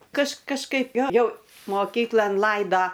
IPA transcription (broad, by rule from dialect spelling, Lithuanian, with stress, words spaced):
kɐʃ kɐʃˈkɐɪp ˈjoː ˈjɛʊ moːˈkʲiːklˠɐn ˈlˠɐɪdoː